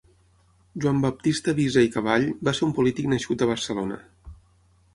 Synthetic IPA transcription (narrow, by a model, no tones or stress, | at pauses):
ʒuwambəp̚t̪ist̪əβizəikəβaʎbaseɾumpulit̪iknəʃut̪̚d̪əβəɾsəlonə̰